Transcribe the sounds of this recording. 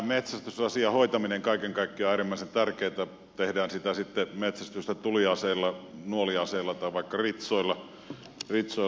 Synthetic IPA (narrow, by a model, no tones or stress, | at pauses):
met̪sæst̪ysɑsiɑhoit̪ɑmineŋkɑikeŋkɑikːioæːrimːæˑisent̪ærkeˑːt̪æ | t̪ehdæːnsit̪æsit̪ːemet̪sæst̪yst̪æt̪uliɑseːˑlːɑnuoliɑseˑːlːɑt̪ɑˑiʋɑˑikːɑrit̪soilːɑ | rit̪so